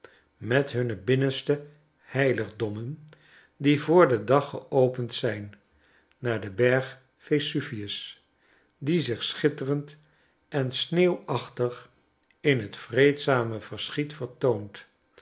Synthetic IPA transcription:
mɛtɦɵnəbɪnənstə | hɛjləχdɔmən | divʊːɹdədɑχəʔowpəntsɛjnː | aːɹdəbɛɹχ | fesyfiəs | dizɪχsχɪtərənt | ʔɛnsneːwɑχtəχ | ɪnɦətfrejtsaːməv̥əɹsχitfəɹtownt

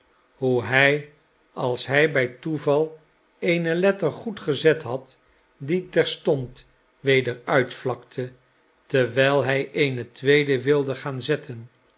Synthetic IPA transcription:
ɦuɦɛj | ɑlˠsɦɛjbɛjtuvɑlˠ | ejnəlɛtəɹχutχəzɛtɦɑt | ditɛɹstɔnt | ʋejdəɹœɥtflɑktʰə | təɹʋɛjlˠɦɛjejnətʋejdəʋɪlˠdəχaːnzɛtʰən

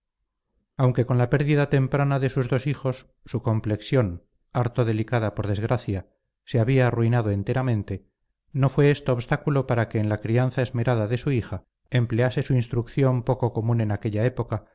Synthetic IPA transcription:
awŋke̞ko̞nlape̞ɾðiðat̪e̞mpɾanaðe̞suzðo̞sixo̞sː | uko̞mple̞ksjo̞n | aɾt̪oðe̞likaðapo̞ɾð̞e̞zɣɾaθja | seaβiaːruinað̞o̞e̞nt̪e̞ɾamẽ̞nt̪e̞ | no̞fwe̞est̪oːβst̪akulo̞paɾake̞ːnlakɾian̟θae̞zme̞ɾaðaðe̞suixa | emplease̞suinst̪ɾukθjo̞mpo̞ko̞ko̞mũne̞nake̞ʎae̞po̞ka

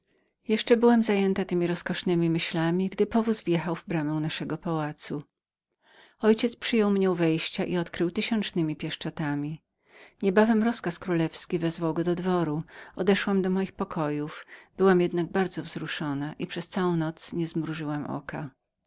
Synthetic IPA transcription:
jɛʂt͡ʂɛbɘwamzajɛnt̪at̪ɘmʲiɾɔskɔʂnɘmʲimɘɕlamʲiɡd̪ɘpɔvuzvjɛxawvbɾamɛw̃naʂɛɡɔpawat̪su | ɔjt͡ɕɛt̪spʂɘjɔwmɲɛwvɛjɕt͡ɕaʔiɔt̪kɾɘwt̪ɘɕɔnt͡ʂnɘmʲipʲjɛʂt͡ʂɔt̪amʲi | ɲɛbavɛmɾɔskaskɾulɛfskʲivɛzvawɡɔd̪ɔd̪vɔɾuɔd̪ɛʂwamd̪ɔmɔjixpɔkʰɔjufb̥ɘwamjɛd̪̚naɡ̚baɾd̪zɔvz̥ɾuʂɔnaʔipʂɛst̪sawɔ̃w̃nɔt̪sɲɛzmɾuʐɘwamʔɔ̰ka

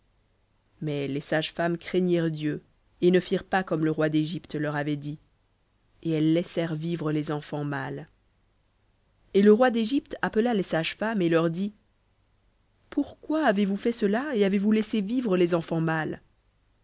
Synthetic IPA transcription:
mɛlesaʒfamkχeɲiʁd̪jø | enəfiʁpakɔmləʁwad̪eʒipt̪lœʁavɛd̪i | eɛlːɛsɛʁvivʁəlezɑ̃fɑ̃mal | eləʁwad̪eʒipt̪apəlalesaʒfamelœʁd̪i | puʁkwaːvevufɛsəlaeavevulɛsevivʁəlezɑ̃fɑ̃mal

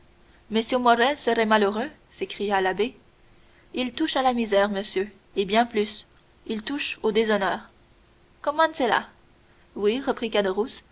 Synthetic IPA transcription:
məsjømɔʁɛlsəʁɛmaløʁø | sekχijalabe | ilt̪uʃalamizɛʁməsjø | ebjɛ̃plys | ilt̪uʃod̪ezɔnœːʁ | kɔmɑ̃d̪səla̰ | wiʁəpχikad̪əʁus

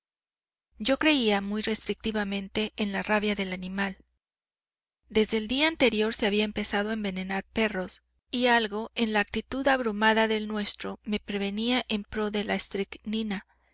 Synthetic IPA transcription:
ɟ͡ʝo̞kɾe̞iamujre̞st̪ɾik̚t̪iβamẽ̞nt̪e̞ːnlaraβjaðe̞lanĩmal | d̪e̞zðe̞ːld̪iaːnt̪e̞ɾjo̞ɾseaβiaempe̞sað̞oaembe̞ne̞naɾpe̞ro̞s | ialɣo̞e̞nlaːk̚t̪it̪uðaβɾumaðaðe̞lnwe̞st̪ɾo̞me̞pɾe̞βe̞niaʔe̞mpɾo̞ðe̞laest̪ɾiknĩna

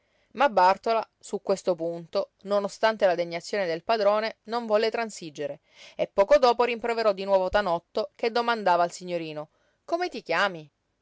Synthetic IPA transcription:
mabːart̪ola | sukwest̪opunt̪ononost̪ant̪elad̪eɲːat̪sːjoːned̪elpad̪ɾoːnenoɱvɔlːet̪ɾansid͡ʒːeɾe | epːɔːkod̪ɔːpoɾimpɾoveɾɔd̪ːinwɔːvot̪anɔt̪ːoked̪ːomand̪aːvaːlsiɲːoɾiːno | komet̪ikjaːmi

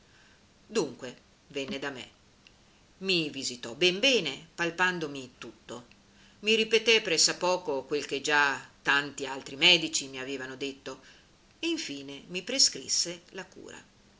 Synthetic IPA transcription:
d̪uŋkwe | vɛnːed̪amḛ | mivizit̪ɔbɛmbɛːnepalpand̪omit̪ut̪ːo | miɾipet̪epɾɛsːapɔːkokwelk̟ed͡ʒat̪ːant̪ialt̪ɾimɛːd̪it͡ʃimiaveːvanod̪et̪ːo | eiɱfiːnemipɾeskɾḭsːelakṵːɾa̰

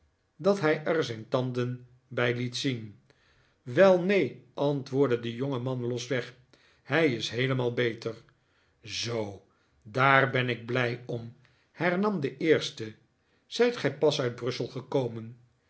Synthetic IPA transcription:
dɑtɦɛjʔɛɹzɛjntɑndən | bɛjlitsin | ʋɛlˠnejʔɑntʋʊːɹdədəjoŋəmɑnlɔsʋɛχ | hɛjɪsɦejləmaːlˠbejtəɹ | zow | daːɹbɛnɪɡ̚blɛjɔm | hɛɹnɑmdəʔɪːɹstə | z̥ɛjtχɛjpɑsœɥd̚brɵsəlˠχəkowmən

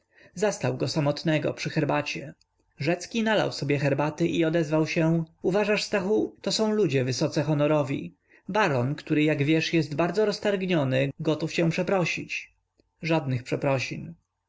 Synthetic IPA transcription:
zast̪awɡɔsamɔt̪nɛɡɔ̰pʂɘxɛɾbat͡ɕɛ | ʐɛt̪skʲinala̰wsɔbʲjɛxɛɾbat̪ɘʔiɔd̪ɛzvawɕɛuvaʐaʂst̪axut̪ɔsɔ̃w̃lud͡ʑɛvɘsɔt̪sɛxɔnɔɾɔvʲḭ | baɾɔnkt̪uɾɘjaɡvʲjɛʂjɛst̪baɾd̪zɔɾɔst̪aɾɡɲɔnɘɡɔt̪uft͡ɕɛ̃w̃pʂɛpɾɔɕit͡ɕ | ʐad̪nɘxpʂɛpɾɔɕin

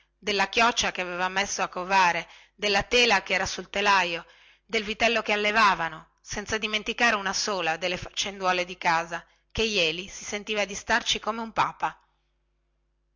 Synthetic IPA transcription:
d̪elːakjɔt͡ʃːakeaveːvamːesːoakːovaːɾe | d̪elːat̪eːlakeɛːɾasult̪elajo | d̪elvit̪ɛlːokealːevaːvano | sɛnt̪sad̪iment̪ikaːɾeunasoːlad̪elːefat͡ʃːend̪waːled̪ikaːza | kejɛːlisisent̪iːvad̪ist̪art͡ʃikomeumpaːpa

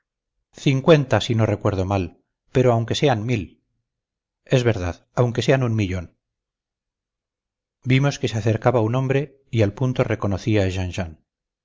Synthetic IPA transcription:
θiŋkwe̞nt̪asino̞re̞kwe̞ɾð̞o̞mal | pe̞ɾo̞awŋke̞se̞anmil | e̞zβe̞ɾð̞aðawŋke̞se̞anunmiʎo̞n | bimo̞ske̞seaθe̞ɾkaβauno̞mbɾe̞ | ialpunt̪o̞re̞ko̞noθiaʒanʃan

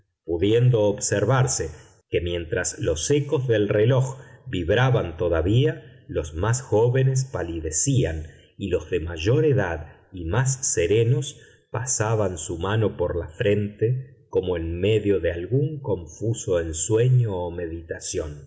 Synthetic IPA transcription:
puðje̞nd̪o̞ːβseɾβaɾse̞ | ke̞mje̞nt̪ɾaslo̞seko̞zðe̞lre̞lo̞xbiβɾaβant̪o̞ðaβialo̞zmasxoβe̞nes̬paliðesian | ilo̞zðe̞maʒo̞ɾe̞ðað | imas̬ːe̞ɾe̞no̞s | pasaβansumano̞poɾlafɾe̞nt̪eko̞moenme̞ðjoðealɣuŋko̞ɱfuso̞enswe̞ɲo̞ːme̞ðit̪asjo̞n

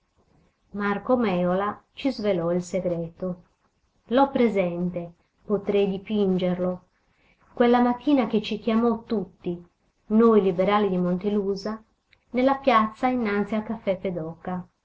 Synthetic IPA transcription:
markomɛːolat͡ʃizvelɔilseɡɾɛːt̪o | lɔpːɾezɛnt̪e | pot̪ɾejd̪ipind͡ʒerlo | kwelːamat̪ːiːnak̟et͡ʃːik̟jamɔt̪ːut̪ːi | nojlibeɾaːlid̪imont̪eluːza | nelːapjat̪sːainːant̪sialkafːɛpːed̪ɔkːa

